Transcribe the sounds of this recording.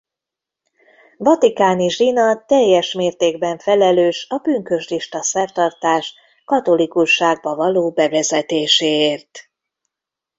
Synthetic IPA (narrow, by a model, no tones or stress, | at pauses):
vɒt̪ikaːniʒinɒt̪ɛjːɛʃmeːrt̪eːɡbɛɱfɛlɛløːʃɒbyŋkø̞ʃliʃt̪ɒsɛrt̪ɒrt̪aːʃ | kɒt̪o̞likuʃːaːɡ̚bɒvɒloːbɛvɛzɛt̪eːʃeːeːrt̪